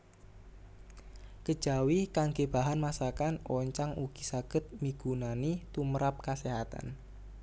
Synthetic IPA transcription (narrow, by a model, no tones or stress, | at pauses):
kəd̥ʒ̥a̤wihkaŋɡeb̥a̤ɦanmasakanʔɔɲt͡ʃaŋuɡ̥isaɡ̥ə̤t̪̚miɡ̥unanit̪uməɾap̚kaseɦat̪a̰n